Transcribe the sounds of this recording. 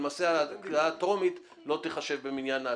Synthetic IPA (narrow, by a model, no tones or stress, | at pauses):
maːseaaat̪o̞mit̪ | lo̞t̪iχaʃe̞vbeminjana